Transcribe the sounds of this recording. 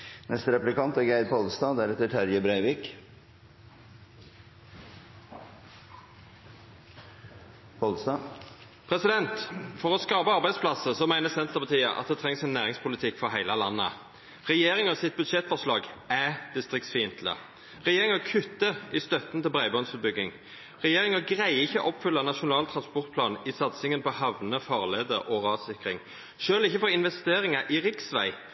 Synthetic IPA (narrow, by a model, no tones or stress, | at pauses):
nɛst̪əɾɛplɪkɑnt̪ɛɡæɪɾpʰɔlst̪ɑːd̪æɾɛt̪ːəʈʰæɾjəbɾæɪʋiːk | pʰɔlsd̪ɑ | pʰʁɛsɪd̪ɛnt̪fɔʁɔskɑːpəɑʁbæɪspʰlɑsəsɔmæɪnəsɛnt̪əʁpɑt̪ʰiːə̰ʔɑ̰t̪̚d̪ɛt̪ʰʁɛŋsɛnːæːʁɪŋspʰʊlɪt̪ʰɪkːfɔɦæɪləlɑnːə̰ | ʁɛjeːɾɪŋɔsɪt̪̚bʉd̪ʃɛt̪fɔʁʂlɑːɡæd̪̥ɪst̪ʁɪk̚t̪sfiɪnt̪ʰl̩ə̰ | ʁɛjeːʁɪŋɑkʰʉt̪ːəʔɪst̪œt̪nt̪ɪlbʁæɪbɔnsəbʏɡːɪŋ | ʁɛjeːʁɪŋɑɡʁæɪɪçːəʔɔpfʏlːɑnɑʃʊnɑːlt̪ʰʁɑnspɔʁt̪̚pʰlɑ̰ːnɪsɑt̪sɪŋənpʰɔhɑʋnəfɑːʁleːd̪əɾʔɔʁɑːd̪sɪkʁɪŋ | ʃøːlɪçːəfɔʁɪnʋɛst̪eːʁɪŋɑʔɪʁɪksʋæ̰ɪ